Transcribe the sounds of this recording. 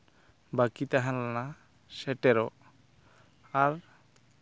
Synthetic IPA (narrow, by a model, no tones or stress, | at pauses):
bakit̪aɦanlana | sɛʈɛɾɔ | aɾ